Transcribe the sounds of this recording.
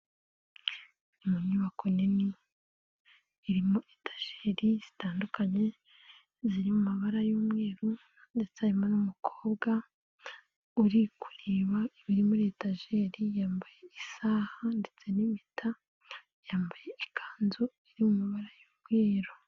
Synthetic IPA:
umuɲuβakʰo̞neni | ɾimoʔetḁʒ̥eɾiz̥i̥taːndukaɲe̞ | ziɾimumaβaɾajuːmŋe̞ːɾu | nde̞t͡seaɾimanumukʰoːbɡa | uɾiku̥ɾiβaiβiɾimuɾetaʒeɾijaːmbaje̞isaːhande̞t͡se̞nimitʰa | jaːmbaje̞ʔikʰaːnzo | iɾimumaβaɾajuːmɡweːɾo

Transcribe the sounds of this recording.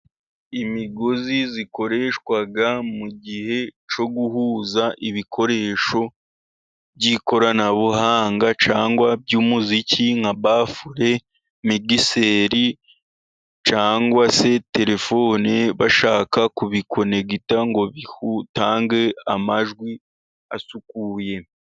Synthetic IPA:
imiɡo̞ziziko̞ɾe̞ːʃkwaɡamuɟihe̞t͡ʃo̞ɡuhuzaʔiβikʰo̞ɾe̞ːʃo̞ | bɟiko̞ɾanaβuɦaːŋɡat͡ʃaːŋɡwabɟuːmuziciŋaβaːfuɾe̞ | miɡiseɾi | t͡ʃaːŋɡwase̞te̞ɾe̞fo̞ːneβaʃaːkakuβiko̞ne̞ɡitaŋɡo̞βihutaːŋɡe̞amaʒɡwi | asukuje̞

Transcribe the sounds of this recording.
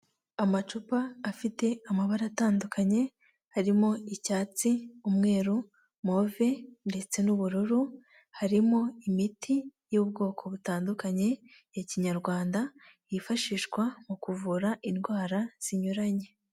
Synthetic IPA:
amat͡ʃupaːfite̞amaβaɾataːndukʰaɲe̞ | haɾimo̞icaːt͡siumŋe̞ːɾu | mo̞ve̞nde̞t͡se̞nuβuɾuɾu | haɾimo̞imitʰijub̚ɡo̞ːkʰo̞βutaːndukaɲe̞ | jaciɲaɾɡwaːnda | jifaʃiːʃɡwamukuvuɾaʔinɡwaːɾaz̥iɲuɾaɲe̞

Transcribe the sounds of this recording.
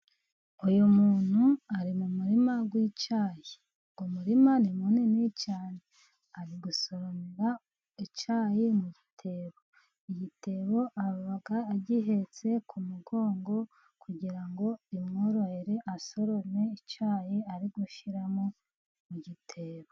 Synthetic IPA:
ujomuːn̥huaɾimumuɾimaɡwiːt͡ʃaːje | ɡomuɾimanimunenit͡ʃaːne | aɾiɡuso̞ɾoniɾa | it͡ʃaːjemuɟitʰe̞ːβo̞ | iɟitʰe̞ːβo̞ʔaββaɡaːɟiɦe̞t͡se̞kʰumuɡo̞ːŋɡo̞ | kuɟiɾaŋɡo̞imŋoɾoheɾeʔaso̞ɾo̞ne̞it͡ʃaːjeaɾiɡuʃiɾamo̞ | muɟitʰe̞ːβo

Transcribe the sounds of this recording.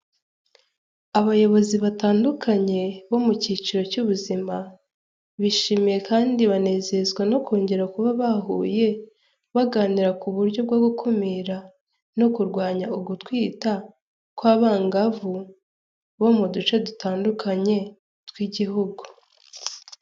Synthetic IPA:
aβajo̞βo̞ziβataːndukʰaɲe̞βo̞muciːt͡ʃiɾo̞cuβuzima | βiʃiːmije̞kaːndiβane̞ːze̞zɡwano̞kʰo̞ːɲɟe̞ɾakuβaβaɦuːje̞ | βaɡaːniɾakuβuɾɟo̞b̚ɡwoɡukʰomiɾa | no̞kuɾɡwaːɲauɡutkwiːta | kwaβaːŋɡavu | βo̞mudut͡ʃadutaːndukʰaɲe̞ | twiɟiɦuɡu

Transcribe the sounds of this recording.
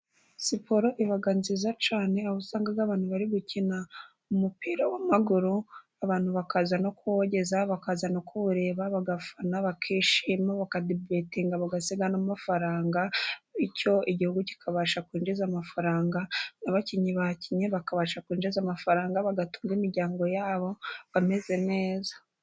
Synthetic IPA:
sipoɾo̞ʔiβaɡanzizat͡ʃaːne̞aβusaːŋɡaβɡaβaːnhuβaɾiɡucina | umupiːɾawamaɡuɾu | aβaːnhuβakazano̞kuoɟe̞zaβakazano̞kʰuɾe̞βaβaɡafanaβakʰiːʃiːmaβakadebetiŋɡaβaɡasiɡanamafaɾaːŋɡaico̞iɟihuɡuci̥kʰaβaʃakwiːnd͡ʒezamafaɾaːŋɡanaβaciɲiβaciɲeβakaβaʃakiːnd͡ʒezamafaɾaːŋɡaβaɡatu̥ːŋɡimiɾɟaːŋɡo̞jaːβo̞βame̞ze̞ne̞ːzḁ

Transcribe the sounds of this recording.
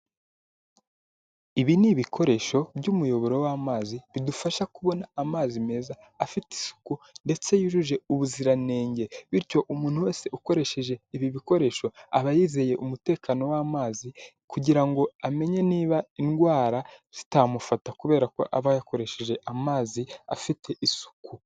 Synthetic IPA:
iβiniβikʰo̞ɾe̞ʃo̞bɟumujo̞βo̞ɾo̞wamaːziβidufaʃakuβo̞naːmaːzime̞ːzaːfiti̥su̥kunde̞t͡se̞juʒuʒe̞uβuziɾane̞ːɲɟe̞βiɾco̞ʔumuːn̥huwe̞ːse̞uko̞ɾe̞ʃe̞ʒe̞iβiβiko̞ɾe̞ʃo̞aβajiːze̞je̞ʔumute̞ːkaːno̞waːmaːzi | kuɟiɾaŋɡo̞ame̞ɲe̞niːβainɡwaːɾaz̥i̥tamufatakuβe̞ːɾako̞̰ʔaβajako̞ɾe̞ʃeʒe̞ʔamaːzia̰fitʰe̞ʔisu̥ku

